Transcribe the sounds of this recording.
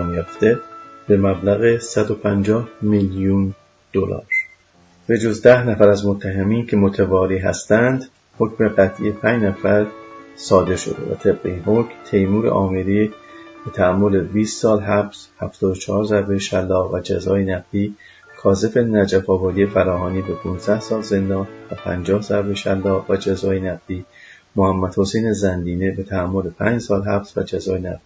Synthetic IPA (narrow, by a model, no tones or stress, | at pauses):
mjɒːft̪e̞b̥e̞mæblæɣesæd̪o̞pʰænd͡ʒɒːhmiljun | d̪̥olɒ̰ːɾ | b̥e̞d͡ʒo̞zd̪æhnæfæɾæzmot̪ʰːæɦemiːncʰe̞mot̪ʰevɒːɾiːɦæ̰st̪ænd̪ | ho̞cme̞ɢæt̪ʰʔḭepʰæːnd͡ʒnæfæɾsɒːd̪e̞ɾʃo̞̰d̪ḛvæ̰t̪ʰe̞b̥̚ɢeinho̞cmt̪ʰe̞jmuːɾḛʔɒːmeɾiːb̥et̪ʰææmːo̞lebiːst̪sɒːlɦæbshæft̪ɒːd̪ot͡ʃʰɒhɒːɾzæɾbejeʃælːɒːvæd͡ʒæzɒːjenæɡd̪iː | kʰɒːze̞fe̞næd͡ʒæfɒːbɒːd̪ije̞fæɾɒːɦɒːniːbe̞pʰuːnzd̪æhsɒːlze̞nd̪ɒːnvæpʰæ̰nd͡ʒɒːhzæɾbeʃælːɒːvæd͡ʒæzɒːjenæɡd̪iː | mohæmːæd̪̥hose̞jne̞zænd̪iːne̞bet̪ʰææmːo̞lepʰæ̰ːnd͡ʒsɒːlɦæbsvæ̰d͡ʒæzɒːjenæ̰d̪i